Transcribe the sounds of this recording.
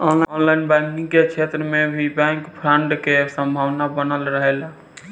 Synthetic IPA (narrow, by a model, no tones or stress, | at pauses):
ɔnlɔnlaɪnbɛ̃kĩŋkekt͡ʃʰet̪ɾəmẽbʱibɛ̃ŋkpʰɾəɳɖkesə̃mbʱaʋnabənəlɾəɦela